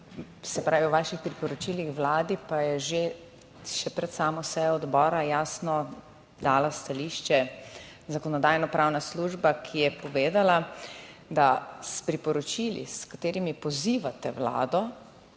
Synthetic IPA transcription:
sɛpɾaːʋiwʋaːʃixpɾipɔɾɔt͡ʃilixʋlaːd̪ipajɛʒe | ʃɛpɾɛt̪saːmɔsɛjɔɔd̪bɔːɾajaːsnɔ | d̪aːlast̪aliːʃt͡ʃɛ | zakɔnɔd̪ajnɔpɾaːwnasluʒbakʰijɛpɔʋeːd̪ala | d̪aspɾipɔɾɔt͡ʃilḭskat̪eːɾimipɔziːʋat̪ɛʋla̰ːd̪ɔ

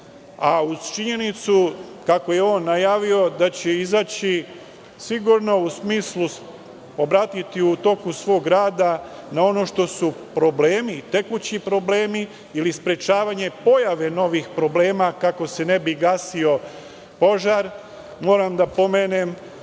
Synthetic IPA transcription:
aut͡ʃiɲe̞nit̪sukako̞jeo̞ːnːajaːʋio̞d̪at͡ɕeizaːt͡ɕi | siɡuɾno̞usmiːslu | obɾaːt̪it̪iut̪o̞kusʋo̞ːɡɡɾaːd̪a | nao̞no̞ʃt̪o̞supɾo̞bleːmit̪e̞kut͡ɕipɾo̞ble̞ːmi | ilispɾe̞t͡ʃaːʋaɲe̞po̞jaʋe̞no̞ʋixpɾo̞ble̞ːmakako̞se̞ne̞biɡaːsio̞ | po̞ʒaɾ | mo̞ːɾamd̪apo̞meːne̞m

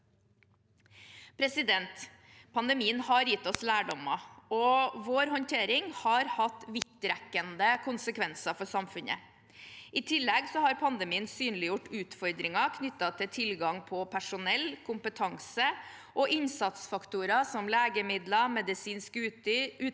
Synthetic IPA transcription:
pʰɾɛsɪd̪ɛnt̪ | pʰɑnd̪ɛmiːənhɑɾjɪt̪ːɔslæːɖɔmɑɔʋoːɾɦɔnt̪ʰeːɾɪŋhɑɾhɑt̪ːʋɪt̪ːɾɛkːənd̪əkʰʊnsəkʰʋɛnsɑfɔsɑmfʉnə̰ | ʔɪt̪ʰɪlːɛɡsɔhɑɾpʰɑnd̪ɛmiːənsyːnlɪjʊʈːʉːt̪fɔɾd̪ɾɪŋɑkʰnʏt̪ːɑt̪ʰɪt̪ʰɪlɡɑŋpʰɔpʰæʂʊnɛlkʰʊmpət̪ʰɑŋsə | ʔɔʔɪnsɑt̪sfɑkt̪uːɾɑsɔmleːɡəmɪd̪lɑmɛd̪ɪsiːnskʉʉː

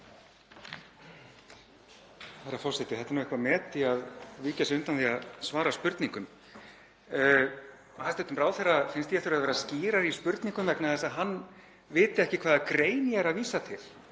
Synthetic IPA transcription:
θaɾːafɔr̥sɛt̪ɪθɛt̪aɾnuːɛhkvamɛːt̪ɪaðviːcasʏnt̪anθiaðsvaːɾaspʏɾt̪niŋkʏm | hast̪ɛnt̪ʏmɾaːwθɛrːafɪnst̪jɛfθʏɾaðvɛːɾasciːɾaɾispʏɾt̪niŋkʏmvɛknaðɛsaðɦanː | vɪːt̪ɪɛhcɪkʰv̥aːðakɾeːjnɪaɛɾaðviːsat̪ʰɪl̥

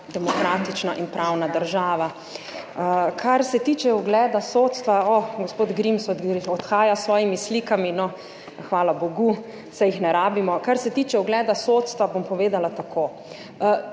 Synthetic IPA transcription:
d̪ɛmɔkɾaːt̪it͡ʃnaʔinpɾʔawnad̪əɾʒaːʋa | kʰaɾsɛt̪iːt͡ʃɛuɡlɛːd̪asoːt̪st̪ʋaɔɡɔspoːd̪ɡɾimsɔd̪ɾiɔt̪xaːjasʋɔːjimisliːkaminɔ | xʋaːlaboɡu | sɛjixnɛɾaːbimɔkaɾsɛt̪iːt͡ʃɛuɡlɛːd̪asot̪st̪ʋabompɔʋeːd̪alat̪akʰoː

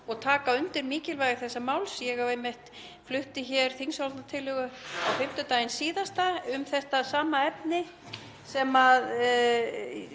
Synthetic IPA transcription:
ɔɣt̪ʰaːkaʏnt̪ɪɾmiːcɪlvajɣɪθɛsːamaːwlsjɛɣavejmɪht̪ | flʏht̪ɪçɛɾ̥θinsalt̪nat̪ʰɪlʏɣʏɔɣfɪm̥t̪ʏt̪aːjɪnsiːðast̪aʏmθɛht̪asaːmaɛpnɪ | sɛmað

